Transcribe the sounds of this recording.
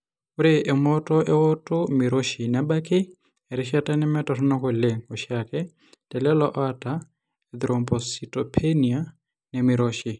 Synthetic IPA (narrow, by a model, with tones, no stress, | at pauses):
ʊ˦ɾɪʔɛ˨mɔtɔ˦ʔɛ˦ɔ˦tʼʊ˦mɪ˨ɾo˦ʃi˨na˦ba˦kɪ˦ | ɛ˨ɾɪ˦ʃa˦tʼa˦nɛ˦mɛ˦tɔtʰɔ˦nɔ˦ko˨leŋo˨ʃakɛ˦ | tʼɛ˨lɛlɔ˦ʔɔ˦atʼa | ɛd̪iɾɔmbɔ˨sitɔpʰenia˦ | nɛ˨mɪ˨ɾɔʃi˨